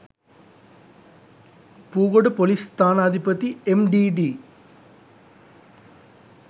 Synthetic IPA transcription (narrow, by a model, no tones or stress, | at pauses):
puːɣoɽɨpolist̪aːnaːd̪ʱipɐt̪ːiemɖiɖi